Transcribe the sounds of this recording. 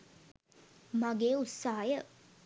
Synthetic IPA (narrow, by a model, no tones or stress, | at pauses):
maɡeːut̪sːaːajə